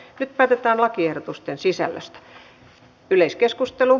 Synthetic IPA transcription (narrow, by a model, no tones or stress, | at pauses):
nyt̪pæːt̪et̪æːnlɑkiehdot̪ust̪ensisæ̰lːæ̰st̪æ̥ | yleiskeskust̪elu